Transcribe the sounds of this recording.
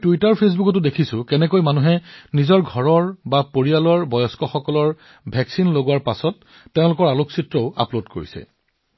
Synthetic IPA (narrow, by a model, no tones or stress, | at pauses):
tuitaɹpʰes̬bukɔt̬ʊdekʰisʊkɛnɛkojmanuɦɛnizɔɹɡʱɔɹɔɹbapoɹialɔɹbɔjɔskɔxɔkɔlɔɹ | bʱɛksinloɡuwaɹpasɔtː | ɛʊ̃lʊkɔɹaloksitɹɔʊa̰plodko̰ɹḭsɛ̰